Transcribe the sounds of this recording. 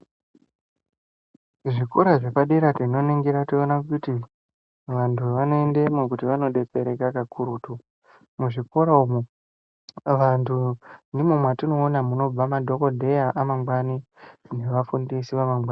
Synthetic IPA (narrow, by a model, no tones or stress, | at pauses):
ʐiko̞ɾaʐe̞paɗeɾatino̞neŋɡiɾationakuti | ʋantʰuʋano̞endemok̬utiʋano̞ɗe̞pe̞ɾe̞kakakʰuɾuːtu | muʐiko̞ɾaumu | ʋantʰundimumwatino̞ːnamuno̞b͡vamadʱo̞ko̞dʱe̞jaʔamaŋɡwanine̞ʋafundisiʋamaŋɡaːn